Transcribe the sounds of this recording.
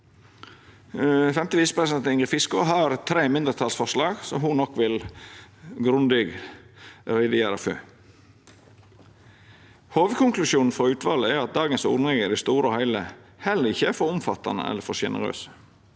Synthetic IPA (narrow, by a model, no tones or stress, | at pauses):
fɛmt̪ɪʋiːsə̥pʰɾɛsɪd̪ɛnt̪ɪŋɡɾɪfɪskʊɦɑɾt̪ʰɾeːmɪnd̪əɾt̪ʰɑlsfɔʂlɑːɡsɔmɦʊnɔkːʋɪl | ɡɾʉnd̪ɪɡ | ɾɛd̪ɪæːɾɑfø̰ː | hoːʋkʊŋklʉʃjuːnn̩fɔɾʉːt̪ʰʋɑːləæɾɑt̪̚d̪ɑːɡənsʊ̰d̪nɛɡəd̪ɪst̪uːɾəɔhæɪləhɛlːəɾɪçːəæfɔɾʊmfɑt̪ɑnə̰ɛ̰lːəɾfɔɾçɛnə̰ɾø̰ːsə̥